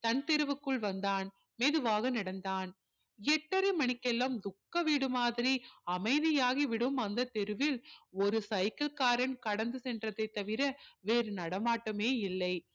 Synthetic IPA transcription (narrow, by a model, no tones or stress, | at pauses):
t̪ɐnt̪ɛɾɯʋɯkːɯɭʋɐnd̪aːn | meːðɯʋaːɣɐnɪɽɐnd̪aːn | ɛʈːɐɾɐɪmɐɳɪkːɛlːaːmd̪ʊkːɐʋiːɽɯmaːðɪɾiɐmɐɪðɪjaːɣiʋɪɽɯmɐnd̪ɐt̪ɛɾɯʋɪlɔɾɯsɐɪkɐlkaːɾɐnkɐɽɐnd̪ɯsɛndrɐðɐɪt̪ːɐʋɪɾɐʋeːɾɯnɐɽɐmaːʈːɐmeːɪlːɐɪ